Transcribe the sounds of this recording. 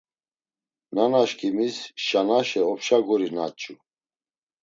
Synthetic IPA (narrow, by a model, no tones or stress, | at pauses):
nanaʃkʼimisʃanaʃɛɔpʰʃaɡɔɾina̰t͡ʃʼu